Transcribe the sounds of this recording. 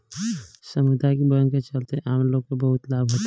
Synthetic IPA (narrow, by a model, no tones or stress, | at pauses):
sɐmud̪ʱajkibəə̃ŋɡket͡ʃəlt̪eẽʔaːmloːɡ̚kebɐɦʊt̪laːbɦoːt̪a